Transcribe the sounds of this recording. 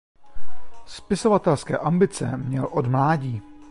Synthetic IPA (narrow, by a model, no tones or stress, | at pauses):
spɪso̞vat̪ɛlskɛ̰ːʔambɪt͡sɛ̰mɲɛlʔodmlaːɟiː